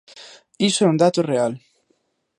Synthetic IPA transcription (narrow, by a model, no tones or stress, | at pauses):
isoɛund̪at̪oreal